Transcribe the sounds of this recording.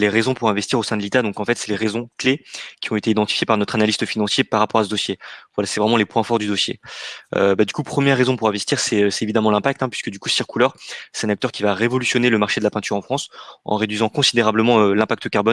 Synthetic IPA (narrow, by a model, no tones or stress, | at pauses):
leʁezɔ̃puʁɛ̃vɛst̪iʁosɛ̃d̪əlit̪ad̪ɔ̃kɑ̃fɛt̪sɛleʁezɔ̃klekʲiɔ̃et̪eid̪ɑ̃t̪i̥fjepaʁnɔt̪χanalist̪əfinɑ̃sjepaʁːapɔʁas̬əd̪osjevwalasɛvʁɛmɑ̃lepwɛ̃fɔʁd̪yd̪osjḛø̰bad̪ykupχəmjɛʁːezɔ̃puʁɛ̃vɛst̪iʁsɛøsɛt̪evid̪amɑ̃lɛ̃pak̚t̪ɛ̃pɥiskəd̪ykusiʁkulœʁsɛ̥t̪ɛ̃nak̚t̪œʁkʲivaʁevɔlysjɔneləmaʁʃed̪əlapɛ̃t̪yʁɑ̃fχɑ̃sɑ̰̃ʁed̪ɥizɑ̃kɔ̃sid̪eʁabləmɑ̃ølɛ̃pakt̪əkaʁbɔn